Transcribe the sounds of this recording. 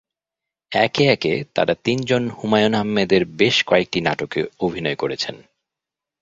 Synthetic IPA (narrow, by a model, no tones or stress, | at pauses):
ɛkeɛket̪a̰ɾat̪ind͡ʑonhumajonɦamːed̪eɾbeʃkoek̚ʈinaʈokḛobʱinɔekoɾet͡ɕʰen